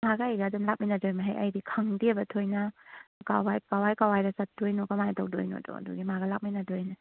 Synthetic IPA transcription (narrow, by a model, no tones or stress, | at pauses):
maɡaajɡaːdumlak̚minɐdojmaɦajʔɐ̰jdikʰaŋdibɐtʰojnakawajkawajkawajɾasat̚ʰd̥ojnɔkamajtʰawk̚do̰jnɔ̰dɔ̰ɐ̰dṵɡimaɡɐlak̚minadojna